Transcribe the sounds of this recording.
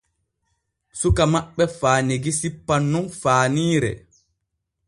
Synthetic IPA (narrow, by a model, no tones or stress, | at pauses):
sukamaɓːɛfaːneɡisipːanːunfaːniːɾɛ̰